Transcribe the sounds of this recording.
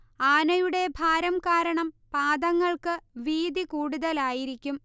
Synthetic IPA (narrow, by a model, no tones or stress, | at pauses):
aːnɐjuɽe̞bʱaːɾɐmkaːɾɐɳɐmpaːd̪ɐŋːɐɭkɨʋiːd̪ikuːɽuðɐlaːjiɾikʲːum